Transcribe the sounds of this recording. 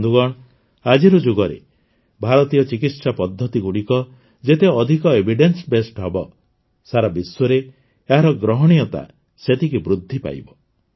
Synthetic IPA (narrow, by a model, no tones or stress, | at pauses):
d̪ʱuɡɔɽ̃ | ad͡ʒiɾɔd͡ʒuɡɔɾḛ | bʱaɾɔt̪ijɔt͡ʃikit̪sapɔd̪ʱːɔt̪iɡuɽikɔ | d͡ʒet̪eɔd̪ʱikɔebʱiɖensbesʈɦɔbɔ | saɾabiswɔɾe | eɦaɾɔɡɾɔɦɔɽ̃ijɔt̪a̰ | set̪ikibɾud̪ʱːipa̰jbɔ